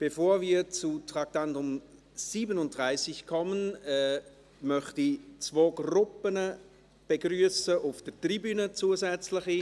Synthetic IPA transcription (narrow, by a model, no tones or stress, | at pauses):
b̥efoːviːt͡sutʁak̚tantʊm | siːbənʊnt̚d̥ʁaɪsɪçkʰɔmənɛ | mœχtit͡svoːɡrʊpənə | b̥eɡryːəsəʔʊfd̥ətribyːnət͡suːəzɛt͡slɪχi